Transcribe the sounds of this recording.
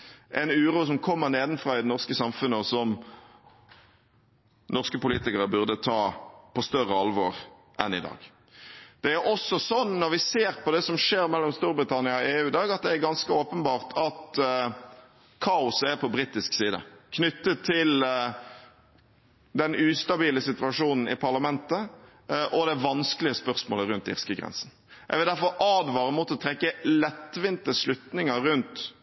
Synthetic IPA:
ʔɛnʉːɾuːs̬ɔmkʰɔmːəʁneːd̪n̩fʁɑːɪd̪ɛnɔʁskəsɑmfʉnːəsɔm | nɔʁskəpʊliːt̪ɪkəʁəbʉʁd̪ət̪ʰɑːpʰɔst̪œʁəɑlʋoːʁ | ʔɛ̰nɪ̰d̪ɑ̰ːɡ̥ | d̪̥ɛæɾʔɔsːɔsɔnnɔʁʋɪseːʁpʰɔd̪ɛsɔmʂeːɾmɛlːɔmst̪uːɾbɾɪt̪ʰɑnɪɑɔeːʉːd̪ɑːɡɑt̪̚d̪ɛæɾɡɑnskəoːpənbɑːʁt̪ʰɑt̪ | kʰɑːʊsæɾpʰɔbɾiːt̪ɪsksiːd̪ə̰kʰnʏt̪ːət̪ʰːɪl | d̪ɛnʉːst̪ɑbiːləsɪt̪ʋɑʂuːnn̩ɪ̰pʰɑʁlɑmɛnt̪ə | ʔɔd̪ɛʋɑnskəlɪəspœʁsmoːləɾʉnt̪ɪ̰ʁskəɡʁɛ̰nsn̩ | jɛ̰ɡʋɪld̪æɾfɔɾʔɑːd̪ʋɑːɾəmuːt̪ɔt̪ʰɾɛkːəlɛt̪ːʋɪnt̪əslʉt̪nɪŋəɾʉnt̪

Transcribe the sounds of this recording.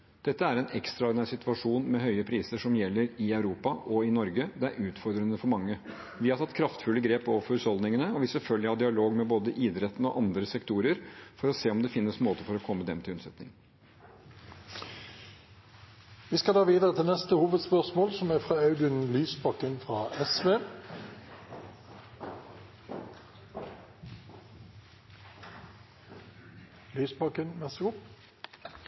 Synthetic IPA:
d̪̥ɛt̪ːəæɾɛnɛkst̪ɾɑɔɾɖ̪ɪnæːɾsɪt̪ʉʋɑʂuːnmɛɦœʏəpʰɾiːsəʂɔmjɛlːəɾɪɑʉɾuːpɑʔɔɪnɔɾɡəd̪ɛæ̰ɾʔʉːt̪fɔɾd̪ɾənəfɔɾmɑŋːə | ʋɪhɑɾt̪ɑt̪kʰɾɑft̪fʉlːəɡɾeːpoːʋəɾfɔɾʉsɔld̪nɪŋənəɔʋɪsɛlfœlɡɪhɑd̪ɪɑloːɡmɛboːd̪əʔɪːd̪ɾɛt̪ːn̩ɔ̰ʔɑnd̪ɾəsɛkt̪ʰuːɾəɾfɔɾɔseːɔmd̪ɛfɪnːəsmoːt̪əfɔɾɔkʰɔmːəd̪ɛmt̪ʰɪlʉnsɛt̪nɪ̰ŋ | ʋiːskɑd̪ɑːʋiːd̪əʁət̪ʰɪlnɛst̪əhuːʋəd̪spœʁsmoːlsɔmæɾfʁɑːɑʉd̪ʉnlyːsbɑkːənfʁɑːʔɛsʋeː | lyːsbɑkənmɛʁsəɡʊp

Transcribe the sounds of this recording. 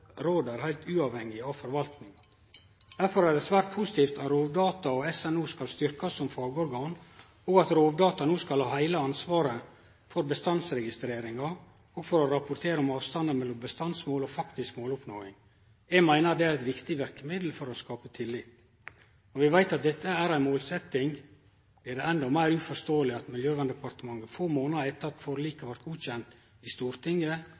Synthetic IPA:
ɾoːd̪æɾhæɪt̪ʉːɑʋhɛŋːɪɑʋfɔɾʋɑlt̪nɪŋ | d̪̥æɾfɔɾæɖ̪ɛsʋæːɾt̪̚pʰusɪt̪iːft̪ʰɑt̪ɾoːʋd̪ɑːt̪ɑɔɛsɛnuːskɑlst̪ʏɾkɑsːɔmfɑːɡəɔɾɡɑːn | ɔːɡɑt̪ɾoːʋd̪ɑːt̪ɑnuːskɑlhɑːhæɪləɑnsʋɑːɾə | fɔɾbəst̪ɑnsɾɛɡɪst̪ɾeːɾɪŋɑ | ɔɡfɔɾɔɾɑpʊɾt̪ʰeːɾəɔmɑːʋst̪ɑnd̪əmɛlːɔmbəst̪ɑnsmoːlɔfɑkt̪ɪskmoːlʊpno̰ːɪŋ | ɛmæɪnəɾd̪ɛæɾɛt̪ʋɪkt̪ɪʋæɾkəmɪd̪l̩fɔɾɔskɑːpət̪ʰɪlːɪp | ɔʋɪʋæɪt̪ɑt̪̚d̪ɛt̪ʰːəæɾæɪnmoːlsɛt̪ːɪŋ | blɪɖɛɛnd̪ɔmæɪɾʉːfɔʂt̪oːəlɪɑt̪mɪljøːʋɑnd̪ɛpɑɾt̪əmɑŋːəfoːmoːnəɛt̪ːɑt̪foɾliːkɑʋæɾt̪̚ɡuːçɛnt̪ | ɪst̪uːɾt̪ʰɪŋːə

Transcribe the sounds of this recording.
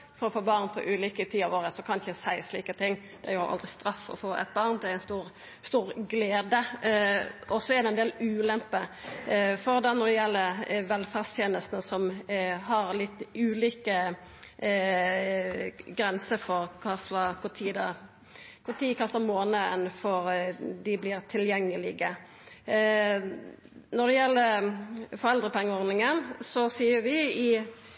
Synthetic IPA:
fɔɾɔfoːbɑʁnpʰɔ̰ʔʉːliːkət̪ʰiːɑʋoːʁəsɔkʰɑnɪçəsæɪsliːkət̪ʰɪŋː | d̪̥ɛjʊhɑ̰ʔɑ̰ld̪ʁɪst̪ɾɑfːɔ̰foːʔɛ̰t̪̚bɑʁnd̪ɛæɾɛɪnst̪uːɾ | st̪uːʁɡleːd̪ə | ʔɔsɔɛɾd̪ɛnd̪eːlʉːlɛmpə | fɔɾd̪ɑnɔʁd̪ɛjɛlːəɾʋɛlfæʁst̪ʰjeːnəlst̪nəsɔmɦɑɾlɪt̪ːʉːliːkə | ɡɾɛnsəɾfɔɾkʰɑsəkʰʊt̪ʰiːd̪ɑ | kʰʊt̪ʰiːkʰɑst̪əmoːnəɛnfɔɾd̪ɪblɪːɾt̪ʰɪljɛŋːəlɪɡə | nɔd̪ɛjɛlːə | fɔʁɛld̪ɾəpʰɛŋːəɔɾd̪nɪŋənsɔsiːəɾʋɪɪ

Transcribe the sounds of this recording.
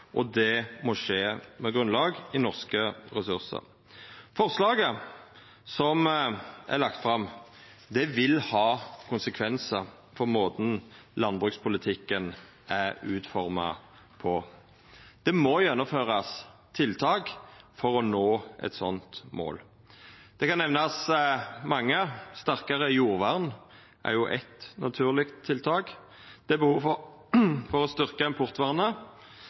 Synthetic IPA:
ʔɔd̪ɛmɔʂeːmɛɡʁʉnlɑːɡɪnɔʁskəɾɛsʉʁsə̰ɾ | fɔʁslɑːɡə | sɔmʔæ̰ɾlɑk̚t̪fʁɑm | d̪ɛʋɪlhɑːkʰʊnsəkʰʋɛnsəɾ | fɔʁmoːd̪nlɑnbʁʉkspʰʊlɪt̪ʰɪkːən | æɾʉːt̪fɔɾmɑ̰ | pʰɔ | d̪̥ɛmɔjɛnːʊmføːʁɑst̪ʰɪlt̪ʰɑːkfɔʁɔnoːʔɛ̰t̪sɔnt̪mo̰ːl | d̪̥ɛkɑnːɛʋnɑsmɑŋːəst̪æʁkəʁəjuːʁʋɑʁn | ʔæ̰ɾjʊʔɛt̪nʔɑ̰t̪ʰʉːʁlɪkt̪ʰːɪlt̪ʰɑːk | d̪̥ɛbəhuːʋfɔ | fɔʁɔst̪ʏʁkəɛnpʰʊʁt̪ʋɑʁnə

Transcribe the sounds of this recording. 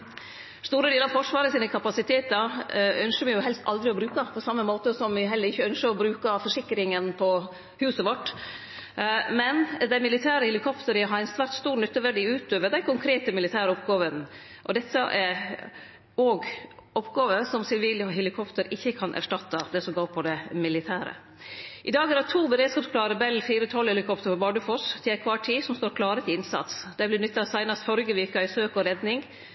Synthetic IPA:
st̪uːɾəd̪eːləɾɑʋfɔʂʋɑːɾəsiːnəkʰɑpɑsɪt̪ʰeːt̪əɾœnʃəmɛɪjʊɦɛlst̪ɑld̪ɾɪɔbɾʉːkɑpʰɔsɑmːəmoːt̪əsɔmʋɪɦɛlːəɾɪçːəœnʂəɾɔbɾʉːkɑfɔʂɪkːɾɪŋənpʰɔ | hʉːsəʋɔʈː | mɛnd̪æɪmɪlɪt̪ʰæːɾəhɛlɪkʰɔpt̪əɾəɦɑɾænst̪ʋæɾʈ̪st̪uːɾnʏt̪ːəʋæɖiːʉːt̪̚d̪øːʋəd̪æɪkʰʊŋkʰɾeːt̪əmɪlɪt̪ʰæːɾɔpɡɑːʋən | ʔɔ̰d̪ɛt̪ːəʔæɾ | oːɡɔpɡɑːʋəsɔmsɪlʋiːlɔɦɛlɪkʰɔpt̪əɾɪçːəkʰɑnʔæ̰ʂʈɑt̪ːɑd̪ɛsɔmɡoːɾpʰɔd̪ɛmɪlɪt̪ʰæːɾə̰ | ʔɪd̪ɑːɡæɾɑt̪ʰuːbəɾeːd̪skɑːpskʰlɑːɾəbɛlːfiːɾət̪ʰɔlhɛlɪkʰɔpt̪əɾfɔɾbɑːɖəfɔst̪ʰɪlæɪkʰʋɑːʈʰiːsɔmst̪oːɾkʰlɑːɾət̪ʰɪɪnsɑ̰t̪sd̪̥æɪblɪnʏt̪ːɑsæɪnɑst̪fɔɾɡəʋɪɾkɑɪsøːkɔɾɛd̪nɪŋ

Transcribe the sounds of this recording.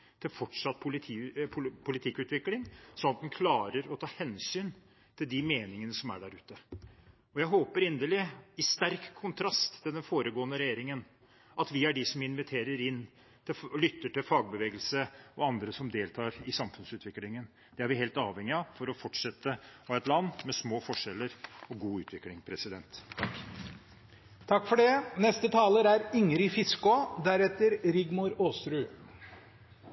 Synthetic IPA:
t̪ʰɪlfɔʈʂɑt̪ːpʰʊlɪt̪ʰiːpʰʊpʰʊlɪt̪ʰɪkːʉːt̪ʋɪklɪŋsɔnɑt̪̚d̪ɛnkʰlɑːɾəɾɔt̪ʰɑːhɛnsyːn | t̪ʰɪld̪ɪmeːnɪŋənəsɔmæ̰ɖæɾʉːt̪ə | ɔjæɪɦoːpəɾɪnd̪əlɪɪst̪æɾkʰːʊnt̪ʰɾɑst̪ːɪld̪ɛnfoːɾəɡoːənəɾɛjeːɾɪŋən | ʔɑt̪ʋɪæɖɪsɔmɪnʋɪt̪ʰeːɾəɾɪnː | t̪ʰɪllʏt̪ːəʈɪlfɑːɡ̚bəʋeːɡəlsəɔɑnd̪ɾəsɔmd̪eːlt̪ʰɑːɾɪsɑmfʉnsʉːt̪ʰʋɪklɪŋən | d̪̥ɛæɾʋɪheːlt̪ɑːʋhɛŋɪɑfɔɾɔfɔʈʂɛt̪ːəɔɛt̪lɑnːmɛsmoːfɔʂɛlːəɾɔɡuːʉːt̪ʋɪklɪŋpʰɾɛsɪd̪ɛnt̪ʰːɑkː | t̪ʰɑkːfɔɖɛnɛst̪ət̪ʰɑːləɾæɾʏŋəɾɪfɪskod̪æɾɛt̪əɾɾɪɡmʊɾoːst̪ɾʉː

